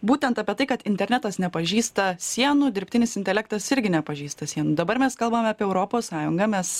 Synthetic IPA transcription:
buːt̪ʲɛnt̪ɐpʲiɛt̪ɐɪkɐt̪ɪnʲt̪ʲɛɾʲnʲæt̪ɐsnʲɛpɐʒʲiːst̪ɐsʲiɛnuːd̪ʲɪɾʲpʲt̪ʲɪnʲɪsɪnt̪ʲɛlʲæːk̚t̪ɐsɪɾʲɡʲɪnʲɛpɐʒʲiːst̪ɐsʲiɛnuːd̪ɐbɐɾmʲɛskɐlˠbɐmʲɑːpʲiɛɛʊɾopoːssɑːjʊŋɡɐmʲɛs

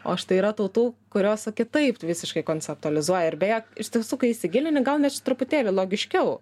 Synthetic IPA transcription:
o̰ːɐʃt̪ɐɪiɾɐt̪ɐːt̪uːkʊɾʲoːsɐkʲɪt̪ɐɪpʋʲɪsʲɪʃkɐɪkoːnʲt͡sʲɛp̚t̪ʊɐlʲɪzuɔjɛɪɾbʲeːjɛkɪʃʲt̪ʲiɛsuːkɐɪɪsʲɪɡʲɪlʲɪnʲɪɡɐlˠnʲɛtt͡ʃʲɪ̥t̪ɾʊpʊt̪ʲeːlʲɪlˠoːɡʲɪʃʲkʲɛʊ

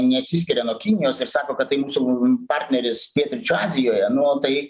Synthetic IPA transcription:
nʲɛsʲisʲkʲɪɾʲɛnuɔkʲinʲɪjoːsɪɾsɑːkoːkɐt̪tːɐɪmuːsupɑːɾʲt̪ʲnʲɛɾʲɪstʲiɛt̪ʊɾʲɪt͡ʃʲʊɑːzʲɪjoːjɛnʊoːt̪ɐɪ

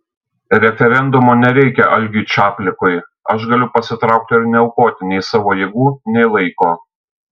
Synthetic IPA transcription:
ɾʲɛfʲɛɾʲɛnd̪ʊmoːnʲɛɾʲɛɪkʲɛʔɐlʲɡʲɪːt͡ʃʲɑːpʲlʲɪkoːɪɐʃɡɐlʲʊpɐsʲɪt̪ɾɐˑʊk̚t̪ʲɪɪɾnʲɛʊkoːt̪ʲɪnʲɛɪsɑːʋoːjeːɡuːnʲɛɪlˠɐɪkoː

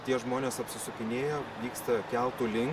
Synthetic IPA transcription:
t̪ʲiɛʒmoːnʲeːsɐpʲsʲɪsʊkʲɪnʲeːjɛːʋʲiːkst̪ɐkʲɛlˠt̪uːlʲɪŋk

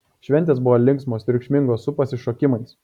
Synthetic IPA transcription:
ʃʲʋʲɛnʲt̪ʲeːsbʊʋoːlʲɪŋksmoːsɾʲɪkʃʲmʲɪŋɡoːssʊpɐsʲɪʃoːkʲɪmɐɪs

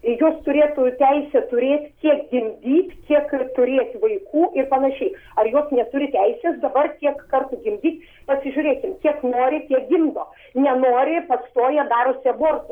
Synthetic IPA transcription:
joːst̪ʊɾʲeːt̪ʊtʲɛɪsʲɛt̪ʊɾʲeːt̪ʲkʲiɛkɡʲɪmʲd̪ʲiːt̪ʲkʲiɛkt̪ʊɾʲeːt̪ʲʋɐɪkʰuːʔɪrpɐnɐʃʲɛɪɐrjoːsnʲɛt̪ʊɾʲɪt̪ʲɛɪsʲeːsd̪ɐbɐrt̪ʲiɛkkɐrt̪ʊɡʲɪmʲd̪ʲiːt̪ʲ | pɐsʲɪʒʲʊɾʲeːkʲɪmkʲiɛknoːɾʲɪtʲiɛk̚ɡʲɪmd̪oː | nʲɛnoːɾʲɪpɐst̪oːjɛd̪ɑːɾʊsʲɐboːrt̪ʊ

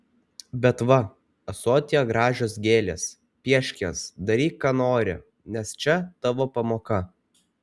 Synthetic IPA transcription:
bʲɛt̪ʋɐ | ɐsoːt̪ʲɪjɛɡɾɑːʒʲoːs̬ɡʲeːlʲeːs | pʲiɛʃʲkʲeːsd̪ɐɾʲiːkɑːnoːɾʲɪ̰ | nʲɛst͡ʃʲɛt̪ɑʋoːpɐmoːkɐ

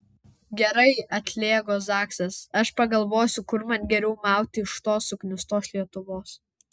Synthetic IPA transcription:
ɡʲɛɾɐɪɐt̪ʲlʲeːɡoːsɑːksʲɐsɐʃpɐɡɐlˠʋoːsʲʊkʊɾmɐnʲɡʲɛɾʲɛʊmɑˑʊt̪ʲɪɪʃt̪oːsʊknʲʊst̪oːslʲiɛt̪ʊʋoːs

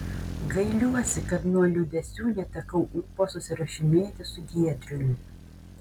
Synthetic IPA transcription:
ɡɐɪlʲuɔsʲɪkɐt̪nuɔlʲud̪ʲɛsʲuːlʲɛt̪ɐkɐʊʔpoːsʊsʲɪɾɐʃʲɪmʲeːt̪ʲɪsʊɡʲiɛd̪ʲɾʲʊmʲɪ

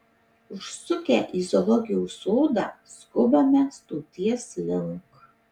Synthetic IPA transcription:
ʊʃsʊkʲæ̰ːʔizɔlˠɔɡʲɪjuːsoːd̪ɑskʊbɐmʲɛst̪uːt̪ʲiɛslʲɪŋk

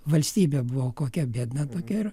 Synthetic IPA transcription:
ʋɐlʲsʲt̪ʲiːbʲeːbʊʋoːkoːkʲɛbʲiɛd̪nɐt̪oːkʲɛɪr

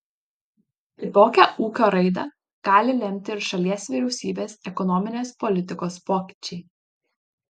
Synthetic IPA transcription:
t̪ʲɪt̪oːkʲæʔuːkʲoːɾɐɪd̪ɐ̰ˑ | ɡ̥ɑːlʲɪlʲɛmʲt̪ʲɪɪɾʃɐlʲiɛsʋʲiːɾʲɛʊsʲiːbʲeːsɛkɔnɔmʲɪnʲeːspɔlʲɪt̪ʲɪkoːspoːkʲi̥t͡ʃʲɛɪ

